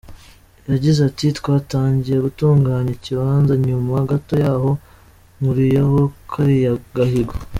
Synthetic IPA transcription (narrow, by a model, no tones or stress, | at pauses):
jaɟizatitkwaːtaːɲɟijeɡutuːŋɡaːɲeciβaːnzaɲumahaɡato̞jaːho̞ | ŋuɾijeho̞kʰaɾijaɡahiɡo